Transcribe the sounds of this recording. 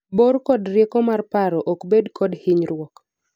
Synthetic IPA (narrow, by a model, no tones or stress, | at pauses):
boɾkɔdrjekɔmarpaɾɔʔɔkbedkʰɔdhɪɲɾwɔk